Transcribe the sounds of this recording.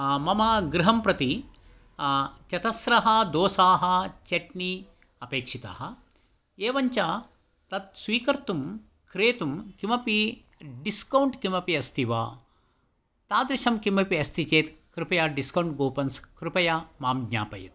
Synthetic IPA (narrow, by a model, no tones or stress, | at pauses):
mɐmɐɡɾɪɦɐmpɾɐt̪i | t͡ʃɐt̪ɐsɾɐɦɐd̪oːsaːɦɐt͡ʃeʈni | ɐpeːkʂit̪a̰ːɦɐ | eːʋɐɲt͡ʃa | t̪ɐt̪̚sʋiːkɐɾt̪um | kɾeːt̪umkimɐpi | ɖiskɐwuɳʈkimɐpiɐst̪ʰiʋa̰ː | t̪aːd̪ɾuʃɐmkimɐpiɐst̪ʰit͡ʃeːt̪kɾupɐjaːɖiskɐwɳʈɡoːpɐnskɾupɐjamaːmɡɲa̰ːpɐ̰jṵt̪̚